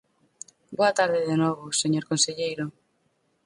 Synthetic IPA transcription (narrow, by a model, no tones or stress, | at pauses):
boat̪aɾðɪðenɔβ̞ʊseɲoɾkonseʎejɾʊ